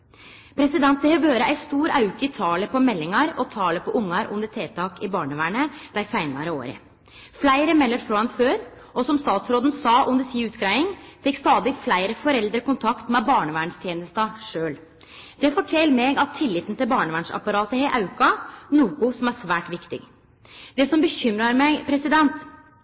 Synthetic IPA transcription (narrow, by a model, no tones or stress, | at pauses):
pʰɾɛsɪd̪ɛnt̪̚d̪ɛhɛʋjøːɾəʔæɪst̪uːɾɑʉkəɪt̪ʰɑːləpɔmɛlːɪŋɑɾɔt̪ʰɑːləpʰɔʔʊŋːɑɾʔʊ̰nd̪əʈ̪ʰeːt̪ʰɑːkɪbɑːɳəʋæːɳəd̪̥æɪsæɪnɑ̰ɾəo̰ːɾə̰ | flæɪɾəmɛlːəɾfɾoːɑnføːɾ | ɔsɔmst̪ɑːt̪sɾoːd̪n̩sɑːʔʉnəsiːʉːt̪ɡɾæɪɪŋfɪkːst̪ɑːd̪ɪflæɪɾəfɔɾɛld̪ɾəkʊnt̪ʰɑkt̪mɛbɑːɳəʋæːɳst̪ʰjeːnəst̪ɑʂøːl | d̪̥ɛfɔʈʰɛlmɛɡɑt̪ʰːɪlːɪt̪nt̪ɪlbɑːɳəʋæːɳʂɑ̰pɑɾɑːt̪əhɛʔɑʉkɑnuːkʊsɔmæʂʋæːʈʋɪkt̪ɪ̰ɡ | d̪̥ɛsɔmbəçʏmɾɑɾmɛpʰɾɛsɪd̪ɛnt̪